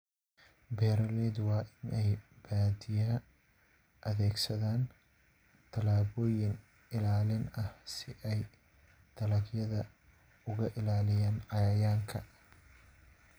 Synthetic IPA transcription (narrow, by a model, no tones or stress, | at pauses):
bɛːɾɐlɛːd̪wɑːʔɪnɛjb̥aːd̪ɪjaː | ʔɐðɛːɡsɐðaːn | t̪ʰɐlaːβɔːjɪn | ɪlaːlɪnɐhsɪʔɛj | t̪ʰɐlɐɡjɐðɐ | ʊɣɐʔɪlaːlɪjaːnʕɑjaːjaːŋkʰɐ